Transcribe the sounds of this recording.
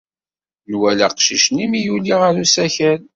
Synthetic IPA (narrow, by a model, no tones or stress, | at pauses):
nwælæqʃiʃnimijuliʁəɾusæçæl